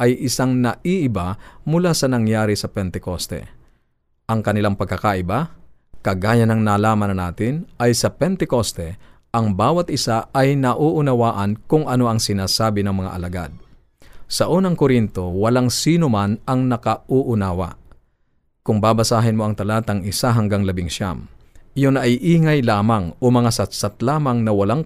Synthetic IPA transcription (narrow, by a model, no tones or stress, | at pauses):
ʔɐjʔɪsaŋnɐʔiʔɪbamʊlasɐnɐŋjaːɾɪsɐpɛnt̪ɛkost̪ɛ̰ | ʔɐŋkɐnɪlaŋpɐɡ̚kɐkaʔɪba | kɐɡaːjɐnɐŋnaːlaːmɐnɐnaːt̪ɪnʔɐjsɐpɛnt̪ɛko̞st̪ɛ | ʔɐŋbaːwɐt̪̚ʔɪsaʔɐjnɐʔuːʔʊnɐwaːʔɐnkʊŋʔɐno̞ʔɐŋsɪnaːsaːbɪnɐŋmɐŋa̰ʔɐlɐɡa̰d̪̚ | sɐʔuːnɐŋkoɾint̪o̞wɐlaŋsiːnomanɐŋnɐkɐʔuʔʊnaːwɐ̰ | kʊŋbaːbɐsaːɦɪnmo̞ɐŋt̪ɐlaːt̪ɐŋɪsaɦɐŋɡaŋlɐbɪŋʃa̰mʔɪjonɐʔjʔiːŋɐjlaːmɐŋomɐŋasɐt̪sɐt̪laːmɐŋnɐwɐlaŋ